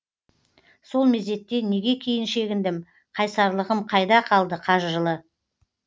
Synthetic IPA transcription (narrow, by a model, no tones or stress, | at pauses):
so̞lˠme̞ze̞t̪ːe̞ne̞ɡʲe̞kʲʰejɪnʃe̞ɡʲɪnd̪ɪm | qʰɑjsɑɾlˠəʁəmqʰɑjd̪ɑqʰɑlˠd̪əqʰɑʒʒəlˠə